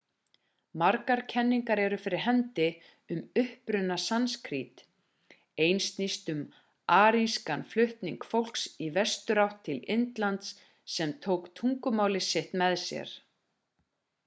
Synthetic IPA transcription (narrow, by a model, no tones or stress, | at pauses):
maɾkaɾcʰɛnːiŋkaɾɛɾʏfɪɾɪɾ̥ɦɛnt̪ɪ | ʏmʏhpɾʏnːasanskʰɾit̪ | ejnst̪nist̪ʏm | aːɾinskanflʏht̪niŋkfowl̥ksivɛst̪ʏɾawht̪ʰːɪlɪnt̪lant̪s | sːɛmt̪ʰowkt̪ʰuŋkʏmaːwlɪsɪht̪mɛðsjɛ̰ɾ̥